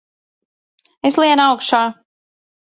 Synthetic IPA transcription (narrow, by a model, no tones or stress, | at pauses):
eslˠiɛnawkʃaː